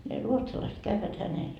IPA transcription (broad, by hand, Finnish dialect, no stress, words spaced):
ne ruotsɑlɑiset kæʋːæt hænel